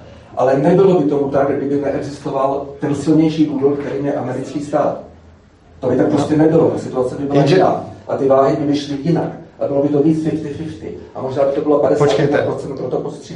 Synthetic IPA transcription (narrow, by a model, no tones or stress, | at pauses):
ʔa̰lɛnɛbɪlo̞bɪt̪o̞mut̪akɡɡdɪbɪnɛʔɛɡzɪst̪o̞valt̪ɛnsɪlɲɛjʃiːduːdolkt̪ɛɾiːmjɛʔamɛɾɪt͡skiːst̪aːt̪ | t̪obɪt̪ak̚pɾoscɛnɛbɪlot̪asɪt̪uat͡sɛbɪbɪlaʒɪna̰ːʔat̪ɪvaːɦɪbɪvɪʃlɪjɪna̰kʔabɪlo̞bɪt̪o̞viːt͡svɪft̪ɪfɪʃt̪ɪ̰ʔamo̞ʒnaːbɪt̪obɪlopadɛsaːt̪pɾot͡sɛnt̪̚pɾot̪opost̪r̥i